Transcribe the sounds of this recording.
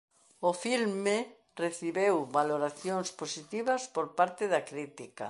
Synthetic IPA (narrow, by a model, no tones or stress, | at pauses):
ofilme | reθiβewbaloɾaθjoŋsposit̪iβɐspoɾpaɾt̪eðakɾit̪ika̰